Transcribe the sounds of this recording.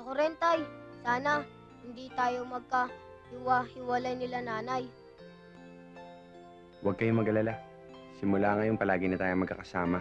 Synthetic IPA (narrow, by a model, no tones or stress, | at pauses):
ɐkʊɾɛnt̪ɐjsaːnɐ | hɪnd̪iːt̪aːjo̞mɐɡ̚kɐ | hɪwahɪwɐlajnɪlanaːnaj | wɐɡ̚kɐjomɐɡɐlɐla | sɪmʊlaːŋɐjʊŋpɐlaːɡɪnɐt̪aːjoŋmɐɡkːɐ̰kɐsaːma